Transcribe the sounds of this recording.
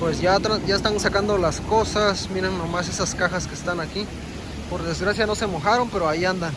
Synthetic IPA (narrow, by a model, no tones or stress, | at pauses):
pwesjat̪aɟ͡ʝaest̪ansakand̪olaskosasmiɾeŋnːomasesaskaxaskeːst̪anaki | po̞ɾðe̞zɣɾasjano̞se̞moxaɾo̞mpe̞ɾoaiand̪aŋ